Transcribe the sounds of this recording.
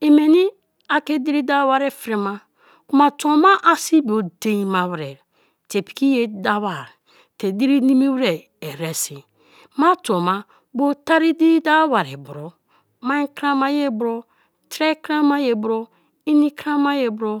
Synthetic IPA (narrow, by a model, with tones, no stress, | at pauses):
i˨me˨ni˦ | a˨ke˦di˦ɾi˦da˦wa˦ɾe˦˨fɾe˨ma˦ | ku˦ma˨to˨ma˦ʔa˨si˦bo˨de˨˦i˦ma˨wɾḛ˨ɾ | te˨pi̥˨ki˦je˦da˦wa˨ɾ | te˨di˦ɾi˦ni˦mi˦wɾe˨ | e˨ɾe˨si˨ | ma˦to˨ma˦ | bo˦ta˦ɾi˦di˦da˦wa˨ɾḛ˨bu˨ɾo˨ | ma˦i˦kɾa˦ma˦je˦bɾo˦ | tɾe˦kɾa˦ma˦je˨bɾo˦ | i˦ni˦kɾa˦ma˦je˦bɾo˦